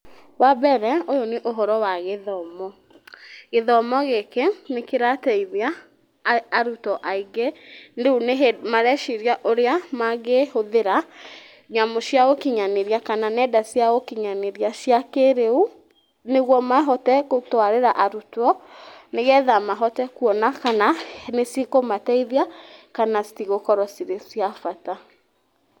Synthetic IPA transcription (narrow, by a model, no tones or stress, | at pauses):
wabɛɾɛojoneʔoɦɔɾɔwaɣeðɔmɔ | ɣeðɔmɔɣekenekeɾatɛiðeaː | ɾutɔʔaiɡendeuneɦmaɾɛʃiɾiaʔoɾeamaɣehoðeɾa | ɲamɔsjaokiɲaneɾiakananɛdasjaɣokiɲaneɾiasjakeɾeu | neɣwɔmaɦɔtɛkotwaɾeɾaʔaɾutwɔneɣɛðamaɦɔtɛkuɔnakananesekomatɛiðiakanasi̥tiɣokɔɾɔsiɾesjafata